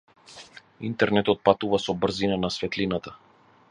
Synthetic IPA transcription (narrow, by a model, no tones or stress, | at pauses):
int̪ɛɾnɛt̪ɔt̪̚pat̪uvasɔbr̩zinanasvɛt̪linat̪a